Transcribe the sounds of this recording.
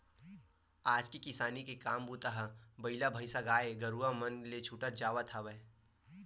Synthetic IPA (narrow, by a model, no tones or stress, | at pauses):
aːd͡ʒkikɪsaːnikekaːmbuːt̪aɦabɐɪlabʱɐɪsaɡaːeɡɐɾuamənlet͡ʃʰuːʈət̪̚d͡ʒaːʋat̪ʰaʋɛː